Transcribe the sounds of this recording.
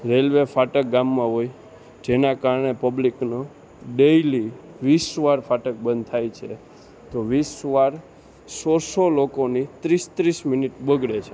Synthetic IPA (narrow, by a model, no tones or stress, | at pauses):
ɾelʋefaʈək̚ɡamːãɦoj | d͡ʒenakaɾɳepəblikno | ɖejliʋisʋaɾfaʈək̚bə̃nd̪t̪ʰajt͡ʃʰe | t̪oʋisʋaɾ | sɔsolokonit̪ɾist̪ɾisminiʈbəɡɽet͡ʃʰe